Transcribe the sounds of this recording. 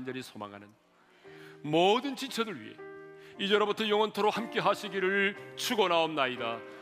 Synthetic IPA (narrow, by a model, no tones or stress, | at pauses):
nd͡ʑʌɾisʰoma̰ŋɦanɯn | modɯnt͡ɕit͡ɕʰʌdɯɭɥḭɦe̞̰id͡ʑʌɾʌbutʰʌjoŋʌntʰoɾohamk͈e̞ɦaɕʰiɡiɾɯɭt͡ɕʰuɡonaomnaida